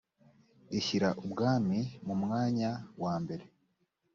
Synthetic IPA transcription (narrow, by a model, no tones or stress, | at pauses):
eçiɾa̰ʔubɡaːmimumŋaːɲawaːmbe̞ɾe̞